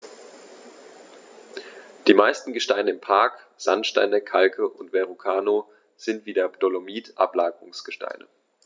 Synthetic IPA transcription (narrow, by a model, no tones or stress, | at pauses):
d̥iːmaɪstn̩ɡəʃtaɪnəɪmpʰaɐk | z̥antʃta̰ɪnəkʰalkʰəʔʊntv̥ɛʁukʰaːno | z̥ɪntv̥iːdeːɐptolomiːtʔa̰plaːɡəʁʊŋsɡ̥əʃta̰ɪnə̰